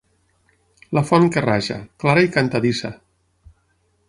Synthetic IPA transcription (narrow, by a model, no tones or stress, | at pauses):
lafɔnkeraʒa̰klaɾaikant̪aðisa